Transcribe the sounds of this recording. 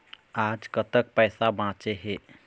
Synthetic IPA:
aːd͡ʒkət̪ək̚pɛːsabãːt͡ʃeɦe

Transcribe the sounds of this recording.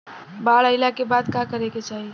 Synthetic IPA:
baɭəɪlakebad̪kakəɾeket͡ʃaɦi

